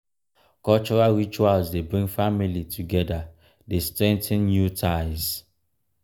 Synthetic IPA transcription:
kɔlt͡ʃɔɹalɹit͡ʃualzdebɹĩŋɡfamilitʰuɡɛda | destɹɛ̃ntʰɪ̃nnjutʰaɪz

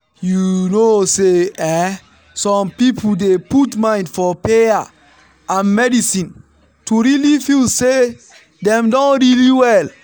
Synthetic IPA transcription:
junoseɛ | sɔ̃mpipʰuldeputmãɪ̃ndfɔpeja | ãnmɛdisĩn | tuɹilifilse | dɛ̃mdɔ̃nɹiliwɛl

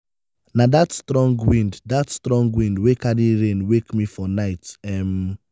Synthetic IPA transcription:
nadatstɹɔ̃ŋɡwĩnddatstɹɔ̃ŋɡwĩndwekadiɹẽnwekmifɔnaɪtɛm

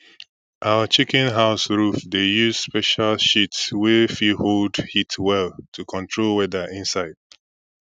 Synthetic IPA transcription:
ʔaʊət͡ʃikɛ̃nɦaʊsɹufdejuz̥spɛʃalʃitswɛfiholdhitʰwɛltʰukʰɔ̃ntʰɹolwɛdəʔɪ̃nsaɪd̥̚

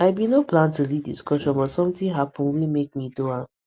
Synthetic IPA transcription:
aɪbinoplãntuliddḭskɔʃɔ̃nbɔtsɔ̃mtĩɦapʰɔ̃nwimek̚midoa

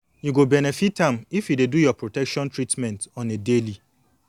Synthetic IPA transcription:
juɡobɛnɛfitãmifjudedujɔpɹotɛkʃɔ̃ntɾitmɛ̃ntɔ̃nedeli

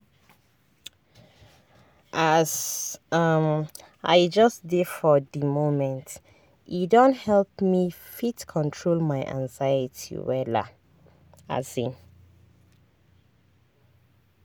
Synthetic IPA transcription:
ʔazʌm | aɪd͡ʒʌsdedfɔðimomɛ̃nt | idɔ̃nthɛlpmi | fitkʰɔ̃ntʰɹolmaɪʔã̰ŋzajətʰḭwɛla̰ | a̰zĩn

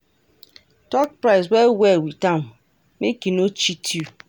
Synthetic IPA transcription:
tɔk̚pɾaɪs̬wɛwewitam | mekinot͡ʃitʰju

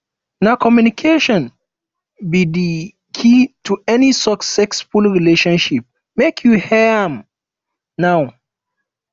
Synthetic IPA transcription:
nakʰɔmjunikʰeʃɔ̃n | bidi | kʰitʰuɛnisɔksɛksfulɹileʃɔ̃nʃip̚ | mekʰjuhɛãm | naʊ

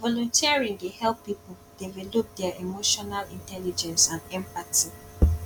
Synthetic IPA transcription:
vɔlɔ̃ntʰiaɹĩŋdehɛlpːipold̥evɛlop̚dɛaʔemoʃɔnalĩntɛlid͡ʒɛ̃nsãndɛ̃mpatʰi

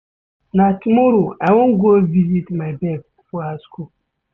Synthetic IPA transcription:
nãtʰumoɾuawʊ̃ŋɡovizitmãbɛb | fuaskʰu

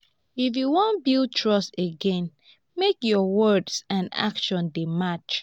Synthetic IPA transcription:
ifjuwɔ̃nbil̚ˠtʰɹɔsteɡɛ̃n | mekjɔwɜdsãna̰kʃɔ̃ndemat͡ʃ

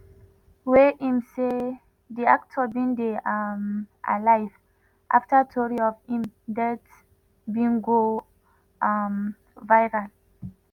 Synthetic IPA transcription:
weʔĩmse | diak̚tʰɔbĩndeamʔa̰lajv | ʔa̰ftatʰɔɹiɔvĩmdɛt | bĩŋɡo | ʔm | vajɹãn

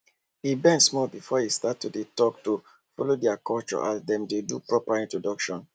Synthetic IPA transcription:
ibɛ̃nsmɔlbifɔistatːudetɔk̚tu | fɔlodɛakʰɔlt͡ʃɔ̰ʔasdɛ̃mdedupɹɔpaĩntɹodɔkʃɔ̃n

